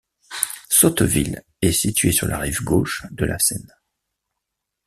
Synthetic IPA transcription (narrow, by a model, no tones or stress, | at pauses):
sɔt̪vil | ɛsit̪ɥesyʁlʔaʁivɡoʃd̪əlʔasɛn